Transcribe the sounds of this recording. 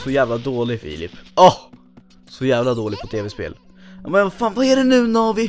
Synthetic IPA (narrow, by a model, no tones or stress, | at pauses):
sɔjæːvlad̪oːlɪfḭːlɪ̰pːɔh | sɔjæːvlad̪oːlɪɡ̚pʰɔt̪ʰeːvɛspḛːl | jɑːmɛnvafaːnvaæɖɛnʉ̟ːnɔvɪ